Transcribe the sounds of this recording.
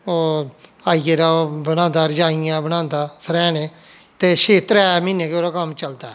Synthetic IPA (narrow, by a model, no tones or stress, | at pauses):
oːaːieːɾaːbəɽãːnd̪aːɾd͡ʒaːɪjãːbəñãːnd̪aːsəɾɛ̃ːneː | t̪eːʃeːt̪əɾɛːmiːneːkeoːɾaːkəmt͡ʃəld̪aːɛː